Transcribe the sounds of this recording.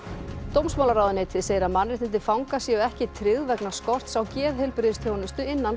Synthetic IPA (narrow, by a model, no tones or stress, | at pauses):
t̪owmsmaːwlaɾaːwðʏnejt̪ʰɪðseːjɪɾamanːɾɪht̪ɪnt̪ɪfawŋkasjɛɔɛhcɪt̪ʰɾɪɣðvɛknaskɔr̥t̪sawcɛːðhɪlpɾɪðɪst̪ʰjownɪst̪ʏɪnːan